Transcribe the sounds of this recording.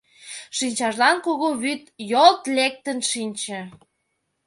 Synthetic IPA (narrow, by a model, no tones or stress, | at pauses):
ʃinʲt͡ɕɑʃlɑnkoɣoβyt̪jolt̪lek̚t̪ənʃinʲt͡ɕə̆